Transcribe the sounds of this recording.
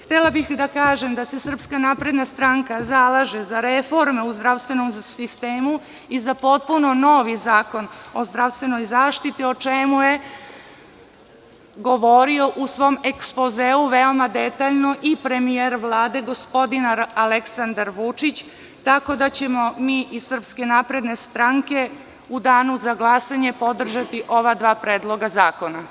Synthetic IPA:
xt̪elabixd̪akaːʒe̞md̪ase̞sr̩pskanapɾe̞d̪nast̪ɾaŋkazalˠaʒezaɾefo̞ɾmeuzd̪ɾaʋst̪ʋe̞nomsist̪eːmu | izapo̞t̪̚puno̞no̞ʋizaːko̞no̞zd̪ɾaʋst̪ʋe̞no̞jzaːʃt̪it̪io̞t͡ʂemuje̞ | ɡo̞ʋo̞ɾio̞ʔusʋo̞ːme̞kspozeuʋeo̞mad̪et̪aʎnoʔipɾe̞mijeɾʋlˠaːd̪e̞ɡo̞spo̞d̪inaaleksand̪aɾʋut͡ʂit͡ɕ | t̪ako̞d̪at͡ɕemo̞miːʔisɨr̩pske̞naːpɾe̞d̪ne̞st̪ɾaŋke̞ | ud̪aːnuzaɡlˠasaɲe̞po̞d̪r̩ʒat̪iʔo̞ʋad̪ʋaːpɾeːd̪lˠo̞ɡazaːko̞na

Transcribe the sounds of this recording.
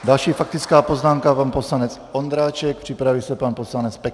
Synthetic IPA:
d̪alʃiːfak̚t̪it͡skaːpɔznaːmkaʋanpɔslaɲɛt͡s | ɔnd̪ɾaːt͡ʃɛk̚pr̥ipɾaʋilsɛpaːnpɔslaɲɛt͡spɛk

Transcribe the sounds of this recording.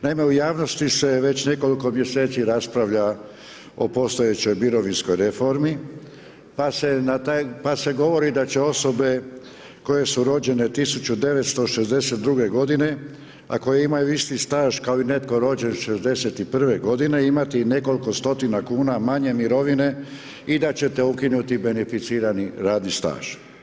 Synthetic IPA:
naime̞ujaːʋno̞st̪ise̞ʋe̞t͡ɕne̞ko̞liko̞mje̞se̞ːt̪siɾaspɾaʋʎa | o̰po̞st̪o̞jet͡ɕo̞jbiɾo̞ʋinsko̞jɾefo̞ɾmi | pasenat̪apase̞ɡo̞ʋo̞ɾid̪at͡ɕe̞o̞so̞be̞ | ko̞je̞suɾo̞d͡ʑe̞ne̞t̪isut͡ɕud̪e̞ʋet̪st̪o̞ʃezd̪e̞se̞t̪̚d̪ɾuɡe̞ɡo̞d̪ine̞ | a̰ko̞jeimajuist̪ist̪aːʒkao̞ine̞t̪ko̞ɾo̞ːd͡ʑe̞nʃe̞zd̪e̞se̞t̪ipr̩ʋe̞ɡo̞d̪ine̞imat̪ine̞ko̞liko̞st̪o̞t̪inakuːnamaɲe̞miɾo̞ʋine̞ | id̪at͡ɕe̞t̪e̞ukinut̪ibe̞nefit̪siːɾaniɾaːd̪nist̪a̰ːʒ̥

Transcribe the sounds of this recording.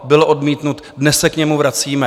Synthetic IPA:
bɪloʔo̞dmiːt̪nut̪ | dnɛssɛkɲɛmuvɾat͡siːmɛ

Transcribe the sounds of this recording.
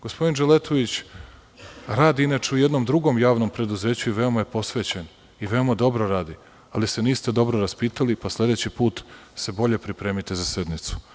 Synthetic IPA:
ɡ̥ospʰo̞d̪ind͡ʒelet̪ʰoʋit͡ɕ | ɾaːd̪iinat͡ʃeuje̞d̪no̞md̪ɾuɡo̞mjaːʋno̞mpɾe̞d̪uze̞ːt͡ɕuiʋe̞o̞maje̞po̞sʋe̞t͡ɕen | iʋe̞o̞mad̪o̞bɾoɾaːd̪i | alise̞niːst̪e̞d̪o̞bɾo̞ɾaspiːt̪alipasle̞d̪e̞t͡ɕipuːt̪se̞bo̞ʎe̞pɾipɾeːmit̪e̞zase̞d̪nit̪su̥

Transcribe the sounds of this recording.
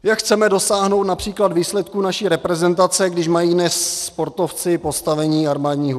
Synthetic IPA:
jakxt͡sɛmɛdo̞saːɦnowt̪napr̝̥iːklad̪viːslɛt̪kuːnaʃiːɾɛpɾɛzɛnt̪at͡sɛɡdɪʃmajiːdnɛsːpo̞ɾt̪o̞ft͡sɪpo̞st̪avɛɲiːaɾmaːdɲiːɦ

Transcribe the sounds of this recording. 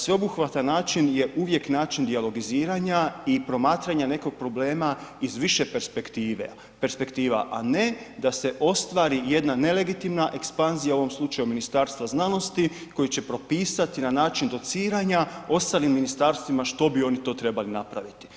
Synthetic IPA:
sʋe̞o̞buxʋat̪anːaːt͡ʃinje̞ʔuʋje̞knaːt͡ʃind̪ialo̞ɡiziːɾaɲaipɾo̞maːt̪ɾaɲane̞ko̞ɡ̥̚pɾo̞ble̞ːmaizʋiʃe̞peɾspekt̪iːʋe | pe̞ɾspe̞kt̪iːʋa̰ʔane̞d̪ase̞ʔo̞st̪ʋaːɾije̞d̪nane̞le̞ɡit̪imnaʔe̞kspanzijao̞ʋo̞mslˠut͡ʃajuminist̪aːɾst̪ʋaznano̞st̪iko̞jit͡ɕe̞pɾo̞piːsat̪inanaːt͡ʃind̪o̞t̪siːɾaɲao̞st̪aːlimːinist̪aːɾst̪ʋimaʃt̪o̞bio̞nit̪o̞ːt̪ɾe̞balinapɾa̰ʋit̪i̥

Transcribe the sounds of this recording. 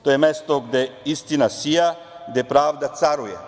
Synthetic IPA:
t̪ojemest̪oɡd̪eist̪inasija | ɡd̪epɾaːʋd̪at̪saɾuje

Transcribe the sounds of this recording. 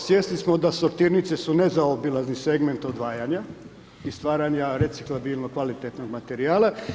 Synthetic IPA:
sjeslismod̪asoɾt̪iːɾnit̪sesunezaobilaznise̞ɡme̞nt̪od̪ʋaːjaɲa | ist̪ʋaːɾaɲaɾetsiklˠabilˠnokʋalit̪et̪no̞ɡmat̪eɾiaːla

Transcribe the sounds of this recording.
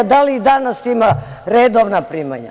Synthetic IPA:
d̪aliid̪anasima | ɾed̪oʋnapɾima̰ɲa̰

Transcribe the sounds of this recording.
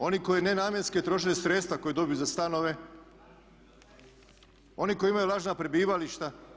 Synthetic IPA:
o̞nikojenenaːmjensket̪ɾo̞ʃeɲesɾet̪st̪ʋako̞jed̪o̞bijuzast̪ano̞ʋe̞ | o̞niko̞jimajulˠaːʒnapɾebiːʋaliʃt̪a

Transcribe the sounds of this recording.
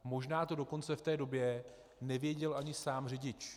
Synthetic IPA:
mo̞ʒnaːt̪o̞do̞ko̞nt͡sɛft̪ɛːdo̞bjɛ | nɛvjɛɟɛlʔaɲɪsaːmrɛɟɪt͡ʃ

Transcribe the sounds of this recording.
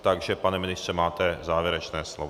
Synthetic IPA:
t̪aɡʒɛpanɛmɪnɪst̪rɛmaːt̪ɛzaːvjɛɾɛt͡ʃnɛːslov

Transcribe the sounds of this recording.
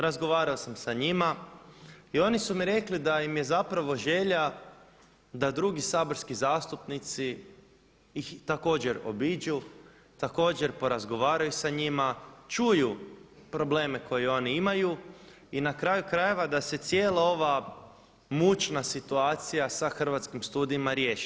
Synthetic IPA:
ɾazɡo̞ʋaːɾaosamsaɲima | io̞nisumiɾe̞klid̪aimje̞zapɾaʋo̞ʒe̞ʎa | d̪ad̪ɾuɡisaːbo̞ɾskizaːst̪upnit̪si | ixt̪ako̞ːd͡ʑe̞ɾo̞̰bid͡ʑu | t̪ako̞ːd͡ʑe̞ɾpo̞ɾazɡo̞ʋaːɾajusaɲimat͡ʃujupɾo̞ble̞ːme̞ko̞jeo̞niimaju | inakɾaːjukɾaje̞ʋad̪ase̞t̪sje̞ːlˠao̞ʋa | mut͡ʃnasit̪uaːt̪sijasaxr̩ʋat̪skimst̪uːd̪iimaɾje̞ːʃi

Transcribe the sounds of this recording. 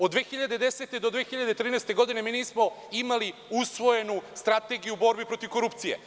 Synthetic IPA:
od̪ʋeːxiʎad̪ed̪ese̞t̪ed̪od̪ʋexiʎad̪et̪ɾiːnɛjst̪e̞ɡo̞d̪ine̞miːniːsmo̞ | imaliusʋo̞je̞nust̪ɾat̪e̞ɡijuːbo̞ɾbipɾo̞t̪iʋko̞ɾupt̪sijḛ

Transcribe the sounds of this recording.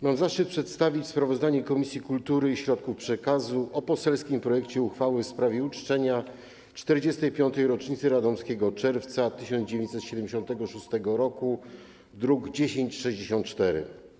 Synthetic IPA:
mamzaʂt͡ʂɘt̪̚pʂɛt̪st̪avʲit͡ɕspɾavɔzd̪aɲɛkɔmʲisʲjikult̪uɾɘiɕɾɔt̪̚kufpʂɛkazuʔɔpɔsɛlskʲimpɾɔjɛkt͡ɕɛuxfawɘfspɾavʲjɛut͡ʂt͡ʂɛɲa | t͡ʂt̪ɛɾd͡ʑɛst̪ɛjpʲjɔnt̪ɛjɾɔt͡ʂɲit̪sɘɾad̪ɔmskʲɛɡɔt͡ʂɛɾft̪sat̪ɘɕɔnd̪d͡ʑevʲeɲt͡ɕ̪sɛt̪ɕɛd̪ɛmd͡ʑeɕɔ̃nt̪ɛɡɔʂust̪ɛɡɔɾɔku | d̪ɾuɡd͡ʑeɕeɲt͡ɕʂɛʑd͡ʑeɕɔ̃nt̪t͡ʂt̪ɛɾɘ̰

